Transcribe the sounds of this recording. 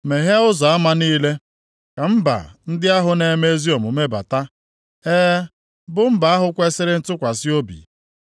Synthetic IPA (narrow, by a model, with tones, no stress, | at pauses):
me˨ɦe˦ʊ˦zɔ˨a˦ma˦niː˦le˦ | ka˨m̩˦ba̰˨n̩˦dɪ˦a˦ɦʊ˨ne˨˦me˦zi˦o˨mʊ˨me˦ba̰˨ta˦ | eː˦ | bʊ˨m̩˦ba˨a˦ɦʊ˦kʷe˦sɪ˦ɾɪ˦n̩˦tʊ˦kʷa˨sɪ˦o˦bḭ˨